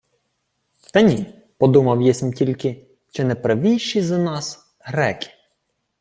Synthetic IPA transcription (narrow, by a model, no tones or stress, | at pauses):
t̪ɐnʲi | pɔd̪umɐwjɛsʲmtʲilʲkɪ | ʃt͡ʃɔnɛpɾɐʋʲijʃizɐnɑs | ɦɾɛkʲɪ̥